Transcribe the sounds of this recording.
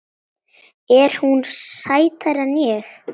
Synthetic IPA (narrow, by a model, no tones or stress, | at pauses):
ɛɾ̥hunsaːjt̪aɾanjɛx